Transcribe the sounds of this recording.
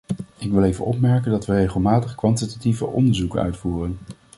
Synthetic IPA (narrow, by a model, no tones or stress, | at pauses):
ɪkʋɪlˠejvə̰nʔɔpmɛɹkəndɑtʋərejχəlˠmaːtəχkʋɑntitativəʔɔ̰ndəɹzukə̰nœ̰ɥtfuːrən